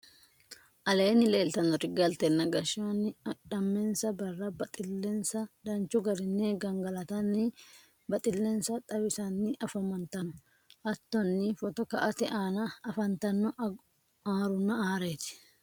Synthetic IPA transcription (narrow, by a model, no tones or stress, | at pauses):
ʔɐle̞ːnːɪle̞ːlt̪ɐnɔɾɪɡɐlt̪ɛnːɐɡɐʃanːɪɐᶑɐmːensɐbɐrːɐbɐt̪ʼɪlːensɐd̪ɐnt͡ʃʊɡɐɾɪnːeːɡɐŋɡɐlɐt̪ɐnːɪ | bɐt̪ʼɪlːensɐt̪ʼɐbɪsanːɪʔɐfɐmɐnt̪ɐnʊ | ʔɐt̪ːɔnːɪfɔt̪ɔkɐʔɐt̪ɛʔaːnɐɐfɐnt̪ɐnːɔ | aːɾʊnːɐaːɾeːt̪ɪ̥